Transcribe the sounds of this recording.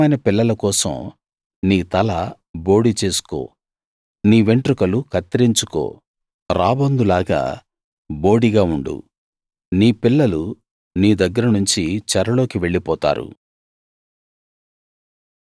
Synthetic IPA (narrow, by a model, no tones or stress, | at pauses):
ɐjnɐpilːɐlɐkɔːsɐ̰m | niːt̪ɐlɐ | bo̞ːɽit͡ʃe̞ːsu̥ko̞̰ː | niːʋe̞ɳʈɾukɐlukɐt̪ːɾiɲt͡ʃuko̰ː | ɾaːbɐnd̪ulaːɡa̰ː | bo̞ːɽiɡaːuɳɖṵ | niːpilːɐlu | niːd̪ɐɡːɐɾɐnuɲt͡ʃit͡ʃɐɾɐlo̞ːkiʋe̞ɭːipɔːt̪a̰ːɾṵ